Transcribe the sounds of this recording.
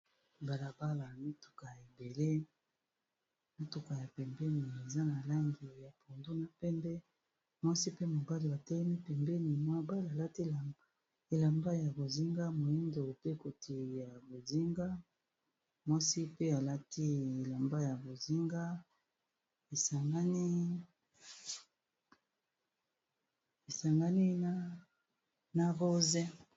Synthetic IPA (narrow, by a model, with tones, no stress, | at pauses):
ba˨la˨ba˦la˨mi˦tu̥˨ka˨ja˨e˨be˨le˦ | mi˦tu˨ka˨ja˨pɛ˨mbɛ˦ni˨e˨za˦na˨la˦ŋɡi˨ja˨pʰo˨ndo˦na˨pɛ˦mbɛ˦ | mwa˦si˦pe˦mo˨ba˦li˨ba˨tɛ˦lɛ˦mi˦pɛ˨mbɛ˦ni˨mwa˦ba˦la˨la˦ti˦˨ | e˨la˨mba˦ja˨bo˨zi˦ŋɡa˦mo˨ji˦ndo˨pe˦˨ko˨tʰi˨ja˨bo˨zi˦ŋɡa˦ | mwa˦si˦pe˦a˨la˦ti˦e˨la˨mba˦ja˨bo˨zi˦ŋɡa˦ | e˨sa˨ŋɡa˦ni˦ | e˨sa˨ŋɡa˦ni˦na˦ | na˨ʁo˦ze˦